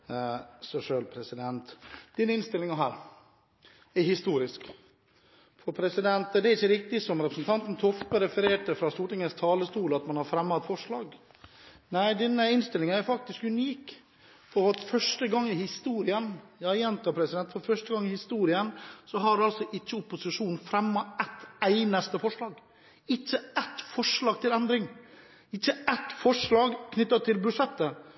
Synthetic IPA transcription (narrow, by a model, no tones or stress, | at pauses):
sɔʂøːlpʰɾɛsɪd̪ɛnt̪d̪̥ɪnːəɪnst̪ɪlːɪŋəɦæːɾ | ɛɾhɪst̪uːɾɪsk | fɔɾpʰɾɛsɪd̪ɛnt̪d̪ɛɾɪçːəɾɪk̚t̪ɪsɔmɾɛpɾəsnt̪ʰɑnt̪n̩t̪ʰɔfp̪əɾɛfəɾeːʈəfɾɑst̪uːʈɪŋəst̪ʰɑːləst̪uːləɑt̪mɑnhɑɾfɾɛmːɑt̪fɔʂɭɑːɡ | næɪd̪ɛnːəɪnst̪ɪlːɪŋəæɾfɑk̚t̪ɪskʉniːk | fɔɾɔɾfœʂʈəɡɑŋːɪhɪst̪uːɾɪənjɑːjɛnt̪ɑpʰɾɛsɪd̪ɛnt̪fɔɾfœʂʈəɡɑŋːɪhɪst̪uːɾɪənsɔɦɑɾɑlsɔʔɪt͡ʃːəʊpːʊsɪʂuːnfɾɛmːɑɛt̪æɪnɑst̪əfɔʂɭɑːɡ | ɪt͡ʃːəɛt̪fɔʂɭɑːɡ̚t̪ʰɪlɛnd̪ɾɪŋ | ɪt͡ʃːəɛt̪fɔʂɭɑːɡkʰnʏt̪ːɑt̪ʰːɪlbɾʉʂɛt̪ːə